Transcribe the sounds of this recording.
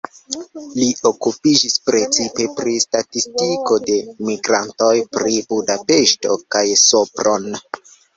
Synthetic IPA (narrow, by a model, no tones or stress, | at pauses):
lio̞kupid͡ʒispɾe̞t͡sipe̞pɾistatistiko̞de̞miɡɾanto̞jpɾibudape̞ʃto̞̰kajsopɾʔo̞n